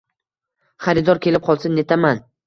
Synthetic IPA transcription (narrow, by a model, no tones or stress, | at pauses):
χaɾɪd̪ɒɾkʲʰe̞lɪp̚qʰɒlˠsɪnːe̞t̪ʰaman